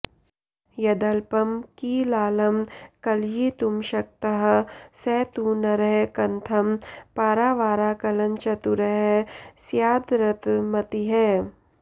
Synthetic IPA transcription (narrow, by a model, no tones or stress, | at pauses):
jɐd̪ɐlpɐmkiːlaːlɐmkɐljit̪ʊmʃɐk̚t̪ɐɦsɛːt̪uːnɐɾɐɦekɐnt̪ʰɐmpaːɾaːʋaːɾaːkɐlɐnt͡ʃɐt̪uɾɐɦsjaːd̪ɾɐt̪mɐt̪iɦɛː